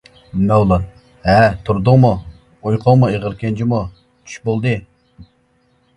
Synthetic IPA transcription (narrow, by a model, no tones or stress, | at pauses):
mɛwlˠɑn | hɛt̪ʰuɾd̪ʊŋmu | ojqʰoŋmueʁəɾkʲɛnt͡ʃʰimu | t͡ʃʰy̥ʃbolˠd̪ɨ